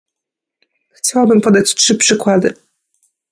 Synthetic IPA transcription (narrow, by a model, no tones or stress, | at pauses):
xt͡ɕawabɘmpɔd̪at͡ɕtʂɘpʂɘkwad̪ɘ